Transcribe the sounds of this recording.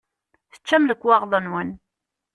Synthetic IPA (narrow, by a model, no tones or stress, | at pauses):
θə̥t͡ʃːæmləkʷːwɑʁðˤənwən